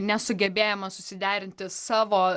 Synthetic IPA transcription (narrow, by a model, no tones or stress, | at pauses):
nʲɛsʊɡʲɛbʲeːjɛmɐsʊsʲɪd̪ʲæːɾʲɪnʲt̪ʲɪsɑːʋoː